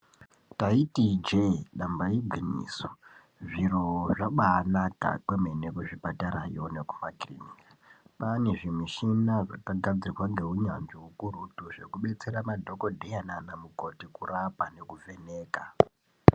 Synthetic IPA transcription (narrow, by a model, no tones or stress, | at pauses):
taitid͡ʒeɗambaibʱinḭːso̥ | ʐiɾoʐaɓaːnaka̰kwemenekuʐipataɾa̰joneku̥maɡriniapane̞ʐimiʃinaʐa̰kaɡʱad͡zirirwaŋɡe̞ɦuɲanʐiukurutuʐe̞̰kuɓe̞t͡se̞ɾamadʱokodʱejananamuko̞tikurapane̞kuve̞neːka